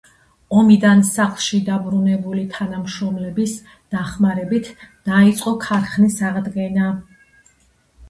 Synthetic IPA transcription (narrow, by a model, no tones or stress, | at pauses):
ɔmid̪ansaχlˠʃid̪abɾunɛbulit̪ʰanamʃɾɔmlɛbis | d̪̥aχmaɾɛbit̪ʰd̪̥ait̪sʼqʼɔkʰaɾχnisaʁd̪ɡɛna